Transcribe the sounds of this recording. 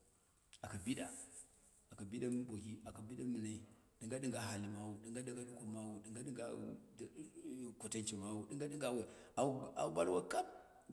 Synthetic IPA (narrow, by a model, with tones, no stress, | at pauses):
a˨ka˨bi˦ɗa˨ | a˨ka˨bi˦ɗa˦m˦bo˨ki˦a˨ka˨bi˦ɗa˦mə˨na˦i˨ɗi˨ŋɡa˦ɗi˦ŋɡa˨ɦa˨li˨ma˦wu˨ɗi˨˦ŋɡa˦da˨ɡa˦ɗu˦ku˨ma˦wu˨ɗi˨ŋɡa˦ɗi˦ŋɡa̰˦˨ | ku˨ta˦nt͡ʃi˨ma˦wu˨ɗi˦ŋɡa˦ɗi˦ŋɡa˦wa˨ | a˨˦a̰˨u˦ba˦lwa˦ka˦p